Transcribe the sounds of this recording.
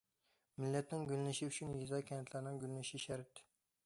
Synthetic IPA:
mɪlːɛt̪nɪŋɡʲylnɪʃiyt͡ʃʰynjizɑkʲʰɛnɛt̪læɾnɪŋɡʲylnɪʃiʃæɾt̪

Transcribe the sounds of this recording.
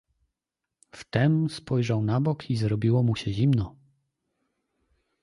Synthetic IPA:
ft̪ɛmspɔjʐawnabɔkʰizɾɔbʲiwɔmuɕɛʑimnɔ

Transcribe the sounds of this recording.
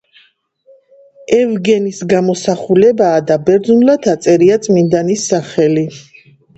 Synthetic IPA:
ɛvɡɛnisɡamɔsaχulɛbaːd̪abɛɾd̪zunlat̪ʰat̪sʼɛɾiat̪sʼmind̪anisːaχɛli

